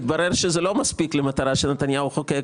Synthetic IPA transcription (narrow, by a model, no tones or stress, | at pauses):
t̪baɾeʁʃezelo̞maspiklemat̪aʁaʃelnet̪anjauχoke